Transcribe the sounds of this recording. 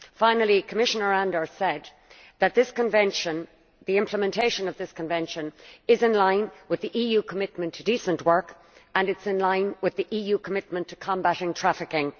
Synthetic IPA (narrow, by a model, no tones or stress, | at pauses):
fãɪ̃nl̩ˠikʰəmɪʃənə˞ãndə˞sɛd̪ | ðət̪̚ðɪskə̃nvɛ̃nʃə̃n | ðiɪ̃mpʰləmɛ̃ntʰeɪʃə̃nʌvðɪskʰə̃ɱvɛ̃nʃə̃nɪzɪ̃nlãɪ̃nwɪðiʔijʉkʰəmɪt̚mə̃ntʰədisə̃nʔwɜ˞k | ə̃nɨtsɪ̃nlãɪ̃nwɪðiʔijʉkʰəmɪt̚mə̃ntʰə̥kʰɑ̃mbaɾɪ̃ŋtʰɹ̥afɪkɪ̃ŋ